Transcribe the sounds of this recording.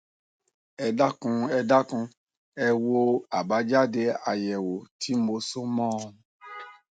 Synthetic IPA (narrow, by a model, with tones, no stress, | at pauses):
ɛ˧da˦kũ˧ɛ˧da˦kũ˧ | ɛ˧wo˧a˨ba˨˦d͡ʒa˦de˧a˧jɛ˨wo˨ti˨˦m̩˦mo˧so˦mɔ̃ː˦˧